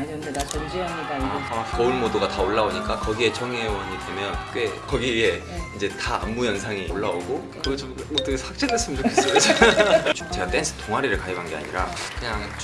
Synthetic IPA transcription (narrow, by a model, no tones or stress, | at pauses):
ɲʌmidaʌnd͡ʑiamɲiamakʌunmodoɡataoɭːaoɲik͈akʌɡie̞t͡ɕʰʌŋiewʌɲidʰemjʌnɯk͈e̞kʌɡiie̞ | ind͡ʑe̞taa̰mːujʌnsʰaŋiʔoɭːaoɡo | kɯɡʌt͡ɕomot͈ʌkʰeshwak̚t͡ɕ͈edaɭs͈ɯmʌnt͡ɕokʰesɯɡd͡ʑt͡ɕot͡ɕe̞ɡat͈e̞nsʰɯ̥tʰoŋɦaɾiɾɯɭkaebanɡe̞a̰ɲḭɾa̰kɯɲaŋ